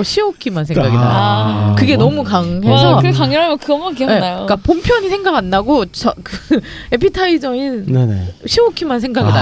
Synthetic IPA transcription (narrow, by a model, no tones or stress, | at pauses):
ɕʰiokʰimansʰeɡaɡiaakɯɡe̞nʌmukaŋɦesʰʌkkaŋʌɾɦamjʌnkɯʌmakiʌnenajok͈apompʰjʌɲisʰeŋɡaɡanːaɡot͡ɕʌkɯe̞pʰitʰaid͡ʑʌinneneɕʰiokʰimansʰe̞ŋɡaɡia